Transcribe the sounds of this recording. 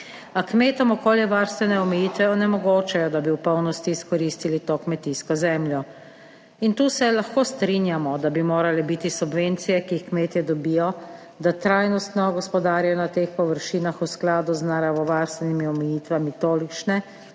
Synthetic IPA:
akmeːt̪ɔmɔkoːljɛʋaɾst̪ʋɛnɛɔmɛjiːt̪ʋɛɔnɛmɔɡoːt͡ʃɛjɔd̪abiwpɔwnɔst̪iːskɔɾist̪ilit̪oːkmɛt̪iskɔzɛmljɔ | int̪uːsɛlaxkoːst̪ɾinjamɔd̪abimoːɾalɛbit̪isubʋent̪sijɛkiixkmeːt̪jɛd̪ɔbijɔ | d̪at̪ɾajnɔst̪nɔɡɔspɔd̪aːɾjaɔnat̪eːxpɔʋəɾʃiːnaxusklaːd̪uznaɾaːʋɔʋaːɾst̪ʋɛnimiɔmɛjiːt̪ʋamit̪oːlit͡ʃnɛ

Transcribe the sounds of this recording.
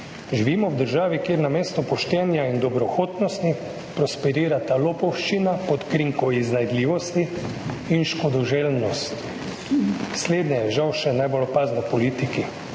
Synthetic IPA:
ʒiʋiːmɔwd̪əɾʒaːʋikjeːɾnameːst̪ɔpɔʃt̪ɛːnjaind̪ɔbɾɔxoːt̪nɔst̪i | pɾɔspɛɾiːɾat̪alopɔwʃt͡ʃinapɔt̪kɾiŋkɔiznajd̪liːʋɔst̪iː | nʃkɔd̪ɔʒelnɔst̪ | sleːd̪nɛjɛʒawʃɛnajbolɔpaːznɛpɔliːt̪iki

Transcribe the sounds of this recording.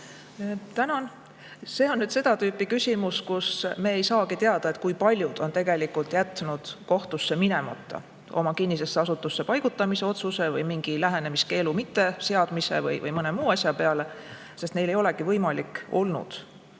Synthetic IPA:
t̪ænɑn | se̞ːo̞nːyd̪se̞d̪̥ɑt̪yːpːˑikysʲimuskusme̞ːejsɑːkit̪eɑd̪̥ɑet̪̚kujpɑlʲjud̪̥o̞nt̪e̞ɡ̥e̞likult̪ˑjæt̪ːˑnud̪̥ko̞ht̪usːe̞minemɑ̰t̪ːˑɑ̰ | omɑkinːise̞sːeɑsut̪ːˑusːe̞pɑjɡ̥ut̪ːˑɑmiseo̞t̪suse̞vɤjmiŋɡ̥ilæɦe̞ne̞miske̞ːlumit̪ːe̞se̞ɑd̪̥mise̞̰vɤ̰jvɤ̰jmɤne̞muːɑsʲjɑpeɑle̞ | se̞st̪ne̞jlejo̞le̞kivɤjmɑliko̞lnṵd̪̥

